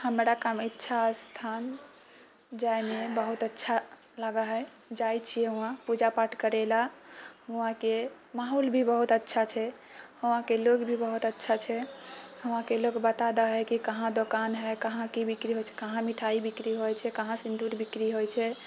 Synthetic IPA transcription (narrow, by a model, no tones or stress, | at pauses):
həmɾakamitːʃʰast̪ʰan | d͡ʒajmebəɦut̪ətːʃʰa | ləɡaɦɛ | d͡ʒajt͡ʃʰijɛɦũãpud͡ʒapaʈʰkəɾɛlaɦuãke | maɦolbʱibəɦut̪ətːʃʰat͡ʃʰɛ | həw̃ãkeloɡbʱibəɦut̪ətːʃʰat͡ʃʰɛhəʋ̃ãkeloɡbət̪ad̪aɦɛkikəɦãd̪okanɦɛkəɦãkibikɾiɦot͡ʃʰɛ̥kəɦãmiʈʰaibikɾiɦojt͡ʃʰɛkəɦãsind̪uɾbikɾiɦojt͡ʃʰɛ